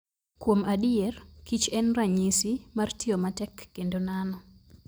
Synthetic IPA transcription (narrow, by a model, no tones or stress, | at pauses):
kwomadiɛrkit͡ʃɛnraɲisimartiomatɛkːendonanɔ